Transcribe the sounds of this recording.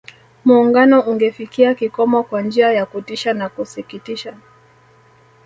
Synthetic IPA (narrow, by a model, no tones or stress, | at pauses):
muːŋɡanɔuŋɡɛfikiakikɔmɔkwand͡ʒiajakutiʃanakusikitiʃa